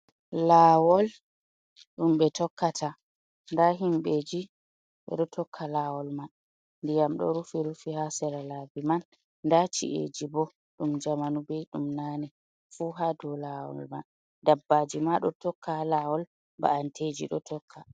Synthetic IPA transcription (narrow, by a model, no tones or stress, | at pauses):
lawɔl | ɗumɓɛtɔkːatʰa | ndaɦimɓeːd͡ʒi | ɓɛ̰ɗɔtʰɔkʰːalawɔlman | ndijamɗɔ̰ɾufiɾufihasɛɾalabimanː | dat͡ʃḭʔḛd͡ʒibɔ | ɗumd͡ʒamanubɛjɗumnanɛ | fuɦadɔlawɔ̰lma̰n | dabːad͡ʒimaɗɔtɔkʰːalawɔl | ba̰ʔantʰed͡ʒḭɗɔtɔkʰːa